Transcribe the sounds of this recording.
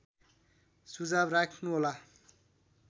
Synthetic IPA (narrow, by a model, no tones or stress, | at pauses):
sud͡zabrakʰnuɦola